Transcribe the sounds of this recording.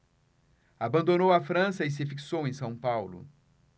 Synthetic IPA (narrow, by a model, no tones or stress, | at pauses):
abɐ̃nd̪onowɐfɾɐ̃sɐɪs̬ɪfiksowẽj̃sɐ̃w̃pawlʊ̰